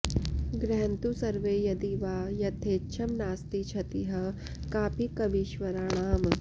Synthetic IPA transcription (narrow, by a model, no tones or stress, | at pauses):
ɡɾɛːnt̪usɐɾʋeːjɐd̪iʋaːjɐt̪ʰeːtːt͡ʃʰɐmnaːst̪it͡ʃʰɐt̪iɦɐ | kaːpikɐʋiʃʋɐɾaɳ̃aːm